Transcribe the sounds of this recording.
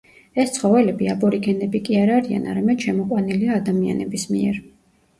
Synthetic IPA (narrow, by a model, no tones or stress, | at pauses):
ɛst̪sʰχɔvɛlɛbiabɔɾiɡɛnɛbikʼiaɾaɾia̰na̰ɾamɛd̪̥ʃɛmɔqʼwaniliaːd̪amia̰nɛ̰bismḭɛ̰ɾ